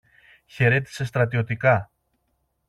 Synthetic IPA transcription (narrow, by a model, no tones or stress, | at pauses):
çe̞ɾe̞t̪i̥se̞st̪ɾɐt̪io̞t̪ikɐ